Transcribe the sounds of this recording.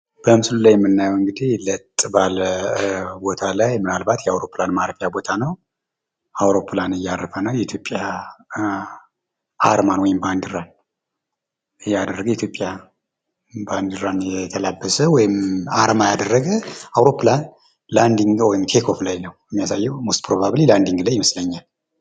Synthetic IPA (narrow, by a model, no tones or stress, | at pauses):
b̥əmɨslulajɛmːɨnːajɛwɨŋɡɨd̪ilət̪ʼːbaləbo̞t̪ʰalajmɨnalbat̪jɛawɾo̞pːlanmaɾəfəjabo̞t̪ʰanəw | awɾo̞pʰlanɨjːarəfənəwjɛit̪ʰjopʼːja | ʔaɾmanwɔjɪmband̪ɨɾan | ɨjːad̪ərːəɡəjɛit̪ʰjo̞pʼja | band̪ɨɾanjɛt̪ʰəlabːəsəwɔjɪmaɾmajad̪ərːəɡəawɾo̞pːlan | land̪iŋɡwɔjɪmt̪ʰe̞kʰo̞flajnəwɛmːijasajːɛwmost̪pʰɾo̞βaβliland̪iŋɡlajːɪməsləɲːal